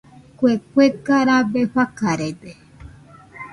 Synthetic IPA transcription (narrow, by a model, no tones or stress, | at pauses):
kwekʷekaɾabeɸakaɾebe